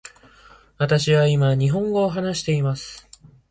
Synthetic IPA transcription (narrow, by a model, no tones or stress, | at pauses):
βat̪aɕiβaimaɲ̟iɦõ̞ŋɡo̞ːɦanaɕi̥t̪e̞imasɨ̥